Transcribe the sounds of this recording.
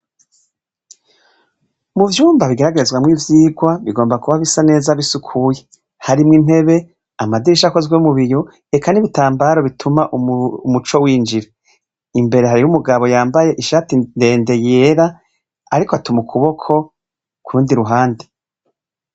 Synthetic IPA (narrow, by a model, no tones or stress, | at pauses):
muvjuːmbaβiɡeɾaɡeezɡwamŋivjiːɡwaβiɡo̞ːmbakuβaβisane̞ːzaβisukʰuje̞ | haɾimŋin̥he̞βe̞ | amadiɾiʃako̞zɡwemuβiɾo | e̞kʰaniβitaːmbaːɾo̞βitʰumaʔuumut͡ʃo̞wiːnd͡ʒiɾa | imbe̞ɾe̞ɦaɾijumuɡaβo̞jaːmbaje̞ʔiʃaːtinde̞ːnde̞jeːɾaː | ɾikoatumukʰuβo̞kʰo̞ | kuɾuːndiɾuɦaːnde